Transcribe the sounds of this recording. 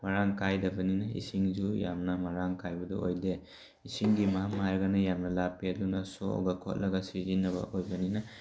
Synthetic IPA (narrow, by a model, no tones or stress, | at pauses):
maɾaŋkʰajdɐbɐninaḭsiŋzujamnɐmaɾaŋkʰajbɐdṵojde | isiŋɡimaamaɾɡanajamnɐlapːiadunasoo̰ɡakʰɔ̰t̚lɐɡasizinɐba̰ʔojbɐnina